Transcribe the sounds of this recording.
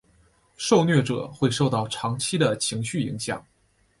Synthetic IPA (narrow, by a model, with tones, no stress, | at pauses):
ʂo˥˧ʊnɥɛ˥˩ʈ͡ʂɤ̰˨˩˦xwe˥˧ɪʂo˥˧ʊt̪ɑ˥˩ʊʈ͡ʂʰɑ˧˥ŋt͡ɕʰi˥d̪ə˨t͡ɕʰi˧˥ŋɕy˥˩i˧˥ŋɕjɑ̰˨˩˦ŋ